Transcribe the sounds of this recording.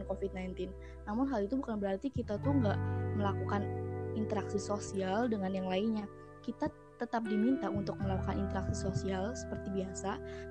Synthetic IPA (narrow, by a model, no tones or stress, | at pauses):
nkofid̚najnt̪ɪnː | amʊnɦalit̪ubukanbəɾart̪ikit̪at̪uŋɡaʔməlakukanint̪əɾaksisosialdəŋanjaŋlainɲa | kit̪a | t̪ət̪ap̚dimint̪aunt̪ʊk̚məlakukanint̪əɾaksisosialsə̥pərt̪ibiasa